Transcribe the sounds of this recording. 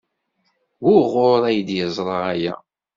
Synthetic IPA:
wʊʁoɾˤæjəd̪jəzˤɾˤəʁæjæ̰

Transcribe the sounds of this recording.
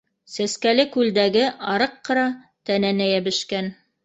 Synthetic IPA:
sæskælɘkʉld̪æɡɘʔɑɾɤqːɤ̆ɾɑ | t̪ænænæjæbɘ̆ʃkæn

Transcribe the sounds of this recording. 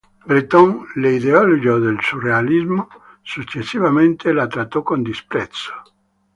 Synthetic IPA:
bɾit̪ɔŋleiðeɔloɡoðelsurealizmo | sut͡ʃesːiβamẽnt̪ʰelat̪ɾat̪okond̪ispɾɛt̪so̥

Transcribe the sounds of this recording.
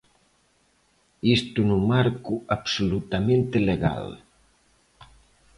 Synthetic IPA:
ist̪unuŋmaɾkuapsolut̪amẽnt̪eleɣa̰l

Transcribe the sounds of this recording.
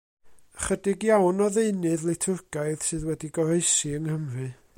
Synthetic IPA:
χədɪɡjawnɔðeɨnɨðlˠɪtʰʊrɡ̥aɨð̥sɨːðwɛdiɡɔɾeɨsiəŋhəmrɨ

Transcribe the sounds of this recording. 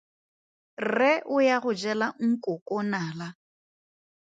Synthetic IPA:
rɛʔʊjaɣʊd͡ʒɛlaŋ̩kʼʊkʼɔnaːla

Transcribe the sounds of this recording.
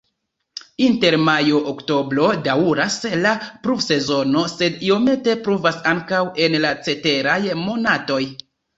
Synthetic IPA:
inte̞ɾmajoʔokto̞bɾo̞dauɾaslapɾubse̞zo̞no̞se̞dio̞me̞te̞pɾuvasaŋkawe̞nlat͡se̞te̞ɾajmo̞nato̞j

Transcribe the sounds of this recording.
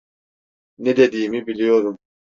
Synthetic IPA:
ned̪ed̪iːmibilʲijoɾum

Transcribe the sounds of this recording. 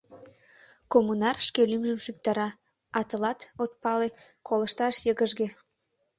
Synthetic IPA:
komunɑrʃkelimʒəmʃyp̚t̪ɑɾɑ | ɑt̪əlɑt̪ot̪̚pɑle | kolə̆ʃt̪ɑʃjəɣəʒɡe

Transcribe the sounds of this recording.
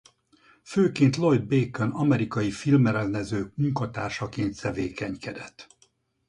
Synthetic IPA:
føːkeːnt̪lo̞jd̪̚beːkɛnɒmɛɾikɒjifilmɛɾɛlnɛzøːmuŋkɒt̪aːrʃɒkeːnt̪sɛveːkɛɲkɛd̪ɛt̪ː

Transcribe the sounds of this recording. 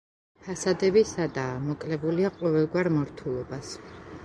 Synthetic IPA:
pʰasad̪ɛbisad̪aːmɔkʼlɛbuliaqʼɔvɛlˠɡwaɾmɔɾt̪ʰulˠɔbas

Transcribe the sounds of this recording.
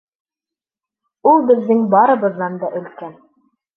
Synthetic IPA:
ulˠbɘ̆ðːɘŋbɑɾɤ̆βɤ̆ðːɑnd̪ɑʔɵ̆lkæn

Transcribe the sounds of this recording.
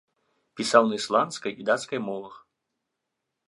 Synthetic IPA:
pʲisawnɐislˠanskɐjid̪at̪skɐjmɔvˠɐx

